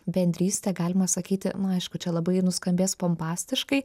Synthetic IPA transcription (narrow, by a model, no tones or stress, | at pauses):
bʲɛnʲd̪ʲɾʲiːsʲt̪ʲɛɡɑːlʲɪmɐsɐkʲiːt̪ʲɪnʊɐɪʃkʊt͡ʃʲɛlˠɐbɐɪnʊskɐmʲbʲeːspompɑːsʲt̪ʲɪʃkɐɪ